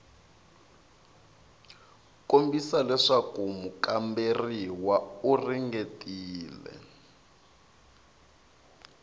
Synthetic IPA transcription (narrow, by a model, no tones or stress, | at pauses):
kombisalɛʂakumukamberiwauriŋɡetʼiːlɛ̰